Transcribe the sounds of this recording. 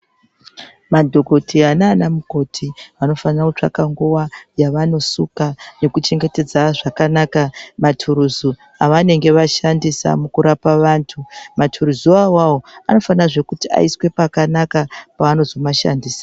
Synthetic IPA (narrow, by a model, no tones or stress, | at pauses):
madʱo̞ɡʱo̞tʰianaːnamuko̞tʰiano̞fanarakut͡ʂa̰kaŋɡuwajaʋano̞sukane̞kut͡ʃe̞ŋɡe̞te̞d͡zaʐakanakamatʰuɾuzu | aʋane̞ŋɡe̞ʋaʃandisa̰mukuɾapaʋaːntʰumatʰuɾuzuawawoano̞fanaʐe̞kutia̰iswe̞pakanakapaːno̞zomaʃa̰ndiːsḁ